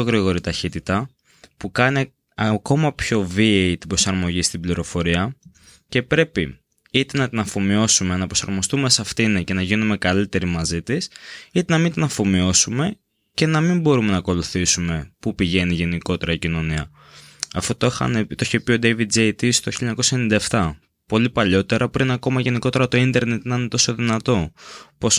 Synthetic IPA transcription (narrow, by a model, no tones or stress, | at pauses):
oɣɾiɣo̞ɾit̪ɐçit̪it̪ɐ | pukɐni | ɐko̞mɐpço̞vieit̪ibɾo̞sɐɾmo̞ʝist̪ibliɾo̞fo̞ɾiɐ | ce̞pɾe̞pi | it̪e̞nɐt̪inɐfo̞mio̞sume̞nɐpɾo̞sɐ̰ɾmo̞st̪ume̞sɐft̪inece̞nɐʝinume̞kɐlit̪e̞ɾimɐzit̪isit̪e̞nɐmint̪inɐfo̞mio̞sume̞ | ce̞nɐmimbo̞ɾume̞nɐko̞luθisume̞pupiʝe̞niʝe̞niko̞t̪e̞ɾɐicino̞niɐ̰ | ɐft̪o̞t̪oxɐ̰nt̪oiçepio̞d̪evid̪̚d͡zet̪ist̪oçiʎːɐɲɐkosɐenind̪ɐeft̪ɐ | po̞lipɐʎo̞t̪e̞ɾʔɐpɾinɐko̞mɐʝe̞niko̞t̪e̞ɾɐt̪o̞ind̪e̞ɾne̞t̪nɐnet̪o̞so̞ðinɐt̪o̞po̞s